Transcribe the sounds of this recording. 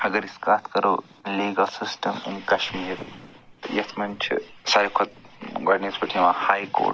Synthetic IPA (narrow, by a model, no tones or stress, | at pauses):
ɐɡɐɾiskaːt̪kɐɾoː | liːɡɐlsɪsʈɐmɪ̰nkɐʃmiːɾjɐt̪ʰmɐnt͡ʃʰḭsaːjkʰɐt̪̚ɡɐɖnespɐʈʰimãhaːjko̰ːʈ